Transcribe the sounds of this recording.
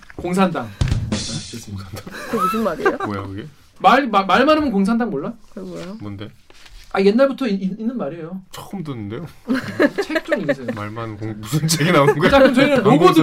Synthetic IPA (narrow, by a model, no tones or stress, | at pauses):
koŋs̬ʰandaŋat͡ɕeoŋsʰand̥aŋkemusɯnmaɾioja̰kɯɡe | maɭamaɭmanɯmjʌnkoŋs̬ʰandaŋmoɭːakeɡojomonde̞ | aje̞nːaɭbutʰʌiiinːɯnmaɾiejot͡ɕ͈ʌ̥ɯmtɯnːɯnde̞jo | t͡ɕʰek̚t͡ɕ͈oŋinsʰeoma̰ɭmanɯnkoŋbusʰɯnt͡ɕʰeɡinaonɯnɡot͡ɕakʰɯmt͡ɕʌiɡamoɡodɯ